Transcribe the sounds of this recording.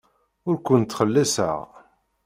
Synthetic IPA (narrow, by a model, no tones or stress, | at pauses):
ʊɾkʷʊnt̪ːχəlːæsə̰ʁ